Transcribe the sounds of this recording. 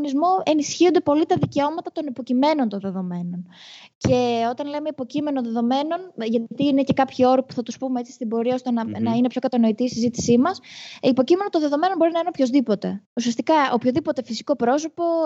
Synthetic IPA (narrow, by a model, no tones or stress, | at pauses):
nizmoe̞nisçiond̪epo̞lit̪ɐðice̞o̞mɐt̪ɐt̪o̞nipo̞cime̞no̞nt̪onðeðo̞me̞no̞nce̞o̞t̪ɐnle̞me̞ipo̞cime̞noðe̞ðo̞me̞no̞nʝɐt̪iine̞ce̞kɐpçio̞ɾipu̥θɐt̪uspumeet͡si̥st̪ibo̞ɾiɐo̞st̪e̞nɐnɐinepço̞kɐt̪ɐno̞it̪iːsizit̪i̥simɐsipo̞cime̞not̪oðe̞ðo̞me̞nonbo̞ɾinɐinepço̞zðipo̞t̪e̞usiɐst̪ikɐopçoðipo̞t̪e̞fisi̥ko̞pɾo̞so̞po̞